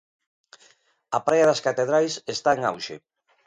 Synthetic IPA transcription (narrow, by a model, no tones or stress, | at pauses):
apɾajaðaskat̪eðɾajsest̪aeŋa̰wʃḛ